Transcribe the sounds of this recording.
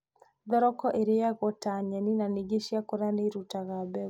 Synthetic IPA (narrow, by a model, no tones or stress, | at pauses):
ðɔɾɔkɔʔeɾejaɣɔtaɲɛninaniɡeʃiakoɾaneɾutaɣabɛ